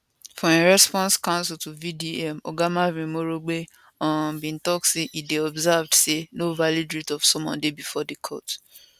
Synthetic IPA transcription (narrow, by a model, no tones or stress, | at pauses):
fɔ̃eɹɛspɔ̃nskãʊ̃nsiltuvidiɛmɔɡamavĩmoɾoɡ͡be | ɔ̃bĩn̩tɔk̚tseʔideɔbzavdsenovalidɹitɔfsɔ̃mwɔ̰̃ndebifɔdekʰɔ̰t